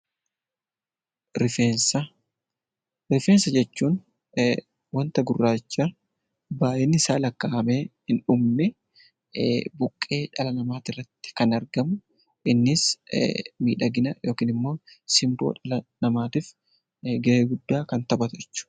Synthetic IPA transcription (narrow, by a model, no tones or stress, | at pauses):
ɾɪfeːnsɐ | ɾɪfeːnsɐd͡ʒɛt͡ʃːuːn | wɐnt̪ɐɡʊrːaːt͡ʃːa | baːʔɛnːɪsaːlɐkːɐʔɐmeːhɪnᶑʊmnɪ | bʊkʼːe̞ːᶑɐlɐnɐmaːt̪ɪrːɐt̪ːɪ̥kɐnɐɾɡɐmʊ | ʔɪnːɪs | miːᶑɐɡɪnɐjo̞ːkiːnɪmːo̞ːsɪmbo̰ːᶑɐlɐnɐmaːt̪iːf | ɡɐʔeːɡʊd̪ːaːkɐnt̪ɐbɐt̪ʊɛt͡ʃːʊ̥